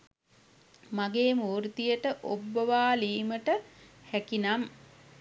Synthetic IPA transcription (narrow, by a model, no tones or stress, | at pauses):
maɡeːmuːɾt̪ijəʈəʔobːəʋaːliːməʈəhækinam